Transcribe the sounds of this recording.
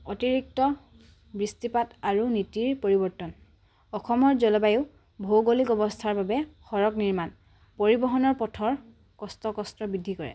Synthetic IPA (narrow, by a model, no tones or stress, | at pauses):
ɔtiɹik̚tɔ | bɹistipataɹunitiɹpoɹibɔɹtɔn | ɔxɔmɔɹzɔlɔbajuʊ | bʱowɡolikɔbɔstʰaɹbabɛxɔɹɔkniɹman | poɹibɔɦɔnɔɹpɔtʰɔɹ | kɔstɔkɔstɹɔbidʱːikɔɹɛ̰